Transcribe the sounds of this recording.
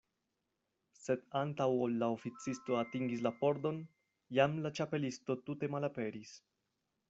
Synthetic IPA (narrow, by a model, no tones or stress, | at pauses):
se̞dantawolːao̞fit͡sisto̞atiŋɡislapo̞ɾdo̞n | jamlat͡ʃape̞listo̞tute̞malape̞ɾis